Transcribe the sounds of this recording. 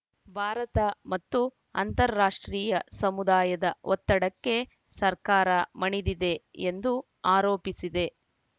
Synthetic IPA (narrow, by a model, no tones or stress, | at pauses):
bʱaːɾɐt̪ɐmɐt̪ːu | ɐ̰nt̪ɐɾːaːʂʈɾiːjɐsɐmud̪aːjɐd̪ɐɔt̪ːɐɽɐkːe̞ | sɐɾkaːɾɐmɐɳid̪id̪e̞end̪u | aːɾoːpisid̪e̞